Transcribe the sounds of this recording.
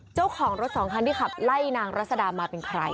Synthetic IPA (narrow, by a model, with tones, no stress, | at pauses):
t͡ɕa˥˩wkʰɔː˨˩˦ŋɾo˦˥t̪̚sɔː˩˦ŋkʰa˧nt̪ʰiː˥˩kʰa˨˩p̚la˥˩jnaː˧ŋɾa˦˥sa˧daː˧maː˧pe˧nkʰɾa̰˧j